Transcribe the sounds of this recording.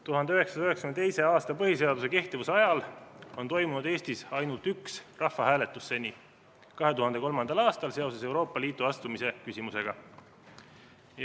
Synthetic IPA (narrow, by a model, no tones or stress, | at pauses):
t̪uɦɑnd̪eyɦe̞ksɑ̥sɑyɦekskymnd̪t̪e̞jse̞ɑːst̪ɑpɤɦise̞ɑd̪use̞ke̞ht̪ivuseɑjɑlo̞nt̪o̞jmunud̪e̞ːst̪isɑjnult̪yksrɑhfːɑhæːle̞t̪ːˑusːe̞ni | kɑɦe̞t̪uɦɑnd̪eko̞lmɑnd̪̥ɑlɑːst̪ɑlse̞o̞se̞se̞wɾo̞ːpːˑɑliːt̪ːˑuɑst̪umise̞kysʲimuse̞ɡ̥ɑ